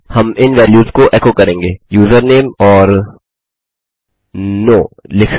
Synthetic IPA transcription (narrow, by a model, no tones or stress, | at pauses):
hɐmɪnʋɛːljuːzkoʔɛːkoːkɐɾẽːŋɡeːjuːzəɾneːmɔːɾ | noːlɪk